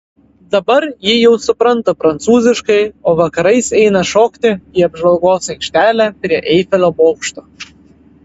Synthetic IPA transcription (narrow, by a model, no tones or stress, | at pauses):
d̪ɐbɐɾjijɛwsʊpɾɐnt̪ɐpɾɐnt̪suːzʲɪʃkɐɪoʋɐkɐɾɐɪsɛjnɐʃokt̪ʲɪiɐbʒʋɐlˠɡoːsɛɪkʃʲt̪ʲæːlʲæpɾʲiɛʔɛjfʲɛlʲoboːkʃt̪o